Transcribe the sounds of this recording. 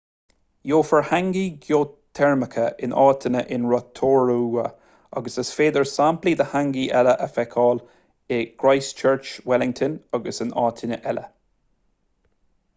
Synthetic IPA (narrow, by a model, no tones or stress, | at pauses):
joːfəɹhaŋɡiɡjoːt̪ʰːɛɹməkʰəɪnʔɑːt̪ʰənəʔɪnɹɔt̪ʰoːɹuə | ɑ̰ɡəsəsfeːd̪əɹsamplid̪əhaŋɡiʔɛləʔəfɛkʰɔːl | ɪɡ̥ɹaɪst͡ʃʰɜɹt͡ʃwɛlɪŋt̪ʰənɑɡəsɪnɑːt̪ʰɪnə̰ʔɛlə̰